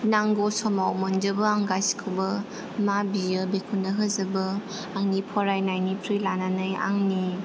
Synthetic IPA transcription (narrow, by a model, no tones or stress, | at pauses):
naŋɡɔsɔmawmɔnd͡ʒɯbɯaŋɡajskʰɯwbɐ | mabijɯbekʰunːəɦɯzɯbɯ | aŋnipʰɔɾajnajnipʰɾilananɯja̰ŋni